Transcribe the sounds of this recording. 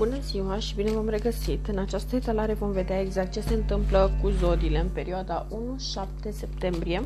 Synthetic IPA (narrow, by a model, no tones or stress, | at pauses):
bunəz̥iwaʃibine̞vamre̞ɡəsit̪ɨnat͡ʃast̪əet̪alaɾe̞vo̞mve̞d̪eaeɡzak̚t̪̚t͡ʃe̞se̞ɨnt̪ɨmpləkuzo̞d̪ile̞ɨnpe̞ɾioad̪aʔunuʃap̚t̪e̞se̞p̚t̪e̞mbɾije̞